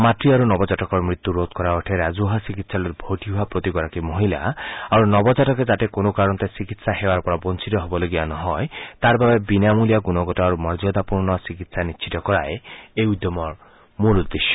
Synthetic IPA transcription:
matɾiaɾunɔbɔd͡ʒaʈɔkɔɾmɾit̪ːuɾod̪kɔɾaoʈʰeɾad͡ʒuɦasikit̪saluɾbʱoʈiɦuapɾot̪iɡɔɾakimoɦila̰aɾunɔbɔd͡ʒaʈɔked͡ʒat̪ekonokaɾɔnɔt̪esikit̪saɦewaɾpɔɾɔbɔnt͡ʃit̪ɔɦebɔloɡibanɔɦɔet̪aɾbʱabebinamulijaɡunɔɡɔtɔaɾumɔɾd͡ʒɔd̪apuɾnɔsikit̪sanit͡ʃʰit̪ɔkɔɾaeeud̪jɔmɔɾ | mulud̪ːeʃjɔ̥

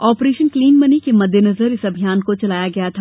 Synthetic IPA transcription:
ɔːpɾeːʃənkliːnmɐnikemɐd̪ʱːjenɐzəɾɪsɐbʱijaːnkot͡ʃɐlaːjaɡɐjat̪ʰa

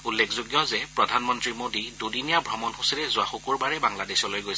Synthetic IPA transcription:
ulːekʰzoɡjɔzɛpɹɔdʱanmɔntɹimodidudinijabʱɔmɔnxusilɛzʊaxukuɹbaɹɛbaŋladesɔlojɡojs

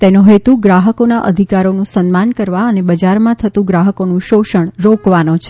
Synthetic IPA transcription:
t̪enũɦet̪ũɡɾaɦəkonaʔəd̪ʱikaɾonũsənmankəɾʋaənebəd͡ʒaɾmãt̪ʰət̪ũɡɾaɦəkonũʃoʃəɳ̃ɾokʋanõt͡ʃʰe̥

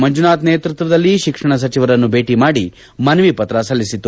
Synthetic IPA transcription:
mɐnd͡ʒunaːt̪neːt̪ɾut̪ʋɐd̪ɐlːiʃikʂɐɳɐs̬ɐt͡ʃiʋɐɾɐnːube̞ːʈimaːɽi | mɐnɐʋipɐt̪ɾɐsɐlːisit̪ːu

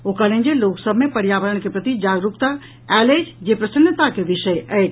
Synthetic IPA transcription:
okalẽnd͡ʒeloksəbʱmepəɾjaːʋəɾəɳ̃kepɾət̪id͡ʒaːɡɾukt̪a | ɛled͡ʒd͡ʒepɾəsənːət̪akeʋiʃəjʔəʈ

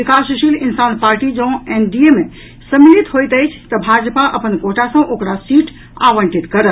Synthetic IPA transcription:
ikasʃilinsanpaɾʈid͡ʒə̃enɖieme | səmilit̪ɦojt̪əjt͡ʃʰt̪əbʱad͡ʒpaʔəpənkoʈʰasə̃ʔokɾasiʈ | a̰ʋəɳʈit̪kəɾə

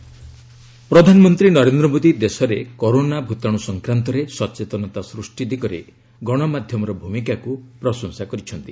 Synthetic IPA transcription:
pɾɔd̪ʱanɔmɔnt̪ɾinɔɾend̪ɾɔmod̪id̪esɔɾekoɾonabʱut̪aɽ̃usɔŋkɾant̪ɔɾesɔt͡ʃet̪ɔnɔt̪asɾusʈid̪ikɔɾḛ | ɡɔɽ̃ɔmad̪ʱjɔmɔɾɔbʱumikakupɾɔsɔŋsakɔɾit͡ʃʰɔnt̪i

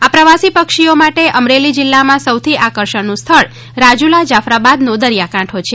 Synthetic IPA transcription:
apɾəʋasipəkʃiomaʈeʔəmɾelid͡ʒɪlːamãsəwt̪ʰiʔakəɾʃənũst̪ʰəɭ | ɾad͡ʒulad͡ʒafɾabad̪nõd̪əɾjakãʈʰot͡ʃʰe

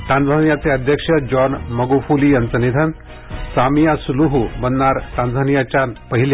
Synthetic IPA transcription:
ʈ̪ãnd͡zʱanjat͡seəd̪ʱjəkʂəd͡ʑɔnməɡofulijant͡sənid̪ʱən | samijasuluɦubənːaɾʈ̪ãnd͡zʱanijat͡ɕanpəɦile

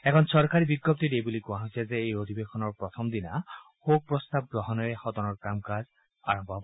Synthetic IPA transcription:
ɛkʰɔnsɔɾkaɾibiɡːɔp̚t̪iɾebulikuaɦɔsʰezeejod̪ʱibekʰɔnɔɾpɾɔt̪ʰɔmd̪ina | hok̚pɾɔst̪ab̚ɡɾɔɦɔnɔehɔt̪ɔnɔɾkɾamkaz | a̰ɾɔmbʱɔɦɔbɔ

